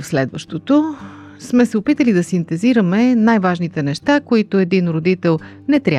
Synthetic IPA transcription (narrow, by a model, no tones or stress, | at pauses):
fslɛd̪vəʃt̪ot̪o | smɛsɛopit̪əlid̪ɐsint̪ɛziɾəmɛnajvaʒnit̪ɛnɛʃt̪akoit̪oɛd̪inɾod̪it̪ɛlˠ | nɛt̪ɾʲa